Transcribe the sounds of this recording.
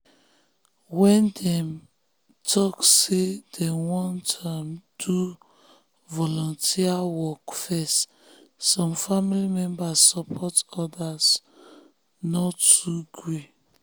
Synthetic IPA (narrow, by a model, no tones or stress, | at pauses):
wɛ̃ndɛ̃m | tʰɔksed̥ɛ̃wɔ̃ntʰamd̥u | vɔlɔ̃ntʰiawɔkfɛst | sɔ̃mfamilimɛ̃mbasːɔpʰɔtɔdas | nɔtuɡɹe